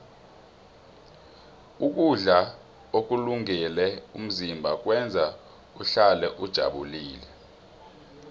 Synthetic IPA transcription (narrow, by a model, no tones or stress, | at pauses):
uk̬uɮa | ok̬uluŋɛlɛum̩zimbʱak̬ʼwɛnd͡zʱa | uɬalɛʔud̥ʒ̥ʱa̰ɓuliːlɛ